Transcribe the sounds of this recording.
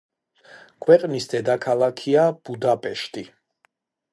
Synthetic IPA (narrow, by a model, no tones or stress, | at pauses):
kʰwɛqʼnisd̪ɛd̪akʰalˠakʰiab̥ud̪apʼɛʃt̪ʼi